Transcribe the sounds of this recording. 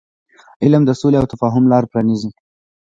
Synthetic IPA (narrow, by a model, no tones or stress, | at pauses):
ɪlmd̪əsoleawt̪afɑɦʊmlɑɾpɾɑnizi